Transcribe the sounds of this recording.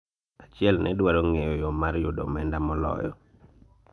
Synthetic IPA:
at͡ʃɪɛlnʔɛ̰dwaɾoŋejɔjɔmaɾjodɔ̰mɛndamɔlɔ̰jɔ̰

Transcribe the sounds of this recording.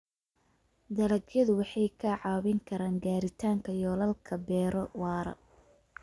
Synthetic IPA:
d̪ɐlɐɡjɐðʊwɑħɑjkʰɐʕɑːwɪŋkʰɐɾaːŋɡaːɾɪt̪ʰaːŋkʰɐjɔːlɐlkʰɐbɛːɾɔwɑːɾɐ̰

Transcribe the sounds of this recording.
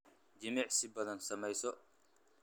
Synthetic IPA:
d͡ʒimɛʕsibɐlɐnsɐmɐjsɔ

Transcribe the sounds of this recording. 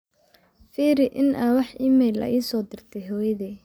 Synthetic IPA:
fiːɾɪʔɪnʔɐwɑħiːmɛːlɐ̰ʔiːsɔːd̪ɪrt̪ʰɛɦɔːjɐðɛː

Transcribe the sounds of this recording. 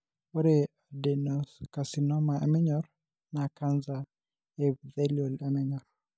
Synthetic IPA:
oɾeadenɔskasinɔmaḛmɛɲɔɾ | nakanza | ebdeliɔlɛmɛɲɔɾ

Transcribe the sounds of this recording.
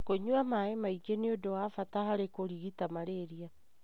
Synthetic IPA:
koɲuamaemaiɡeneodowafatahaɾekoɾiɣitamaɾeɾia

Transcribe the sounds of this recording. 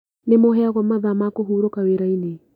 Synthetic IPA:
nemoɦɛaɣwɔmaðamakoɦuːɾokaweɾaine

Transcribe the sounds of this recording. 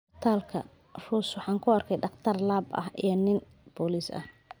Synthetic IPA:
t̪ʰaːlkʰɐ̰ | ruːswɑħɑːŋkʰʊɐrkʰɛjɖɑχt̪ʰɐrlaːbɐ̰hʔḭjɞnɪn | b̥ɔːlisɐ̰h

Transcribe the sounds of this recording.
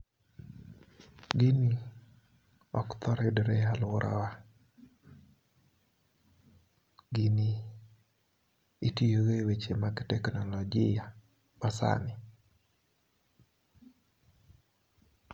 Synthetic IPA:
ɡini | ɔkt̪ʰɔɾɛdɾealwʊɾʔa̰wa | ɡini | itijoɡewet͡ʃemaɡtɛknɔlɔɡɪja | masa̰nɪ

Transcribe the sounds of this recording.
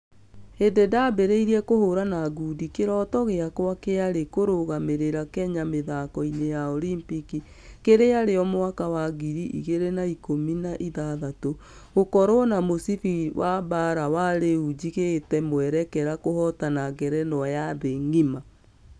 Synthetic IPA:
endedabeɾeiɾiɛkohoɾanaɡudikeɾɔːtɔɣeakwakeaɾekoɾoɣameɾeɾakɛɲameðakɔinejaɔlimpiki | keɾeaɾeɔmowakawaɣiɾiʔḭɣeɾenaikominaʔiðaðato | ɣokɔɾonamosifiwʔabaɾawaɾeud͡ʑiɣetɛmwɛɾɛkɛɾakohɔtanaɡɛɾɛnɔajaðeŋima

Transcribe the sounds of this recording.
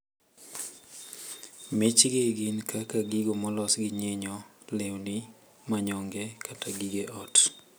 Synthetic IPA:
mɪt͡ʃɡeɡɪnkʰakaɡiɡomɔlɔsɡɪɲeɲɔ | lewnɪ | maɲɔŋɡɛkʰataɡiɡeʔɔt

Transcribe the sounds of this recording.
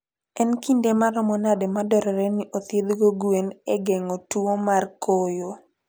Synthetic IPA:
ɛnkindemaɾɔmɔnadɛmadɔɾɔɾɛniʔot̪jed̪ɡoɡweneɡɛŋotuomarkojo

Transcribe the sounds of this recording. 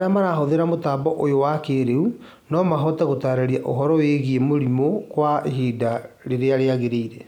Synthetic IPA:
amaɾaɦoðeɾamotaːbɔʔojowakeɾeu | nɔmaɦɔtɛɣotaːɾaɾiaʔoɦɔɾɔweɣiemoɾimokwaɦiːda | ɾeɾeaɾeaɣeɾeiɾe

